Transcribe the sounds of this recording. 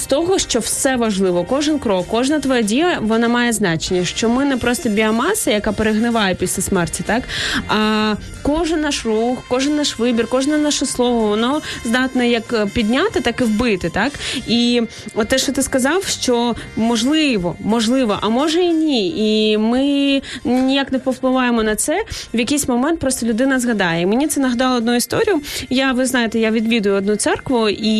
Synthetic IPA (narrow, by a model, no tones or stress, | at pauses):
st̪ɔɦɔʃt͡ʃɔwsɛʋɐʒlˠɪʋɔkɔʒɪnkɾɔkːɔʒnɐt̪ʋɔjɛdʲijˠɐʋɔnamɑjɛznɑt͡ʃenʲːɐʃt͡ʃɔmɪnɛpɾɔst̪ɔbʲiɐmɑsɐjɐkapeɾeɦnɪʋɑjɛpʲisʲlʲɐsmɛrtʲit̪ɑkɐ | kɔʒɪnːɑʃruxkɔʐɪnːɑʃʋɪbʲirkɔʒnɛnɑʃɛslˠɔʋɔʋɔnɔzd̪ɑt̪nɔjɐkpʲid̪ʲnʲat̪ɪt̪ɑkɪwbɪt̪ɪt̪ɑki | ɔt̪ːɛʃt͡ʃɔt̪ɪskɐzɑwʃt͡ʃɔmɔʒlˠɪʋɔmɔʒlˠɪʋɔ̰ʔɐmɔʒɛinʲiimɪ | nʲijaknɛpɔwplˠɪʋɑjemɔnɐt̪sɛʋjɐkʲejsʲmɔmɛnt̪̚pɾɔst̪ɔlʲʊd̪ɪnɐzɣɐd̪ɑjɛimenʲit̪sɛnɐɦɐd̪ɑlˠɔd̪nuist̪ɔɾʲijʊjaʋɪznɑjet̪ɛjaʋʲid̪ʋʲid̪ʊjʊɔd̪nut̪sɛrkʋʊʔi